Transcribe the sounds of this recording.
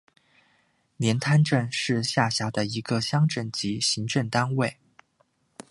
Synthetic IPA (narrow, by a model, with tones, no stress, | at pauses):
njɛ˧˥nt̪ʰa˥nʈ͡ʂə˥˧nʂɻ̩˥˧ɕja˥˩ɕjɑ˧˥ʊd̪ə˧i˧˥ɡə˧ɕjɑ˥ŋʈ͡ʂə˥˩nt͡ɕi˧˥ɕi˧˥ŋʈ͡ʂə˥˩nt̪a˥nwe˥˩ɪ